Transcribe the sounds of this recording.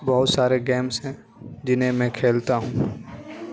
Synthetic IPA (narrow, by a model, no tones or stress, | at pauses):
bɐɦʊt̪saːɾeɡɛːmsɦɛ̃ | d͡ʒɪnɦẽmɛ̃ːkʰeːlt̪aɦũː